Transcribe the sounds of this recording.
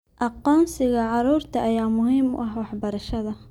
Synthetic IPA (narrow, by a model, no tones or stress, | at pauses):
ʔɑqɔːnsɪɣɐʕɑɾuːrt̪ʰɐʔɐjaːmʊhiːmʊ̰ʔɐhwɑħbɐɾɐʃɐðɐ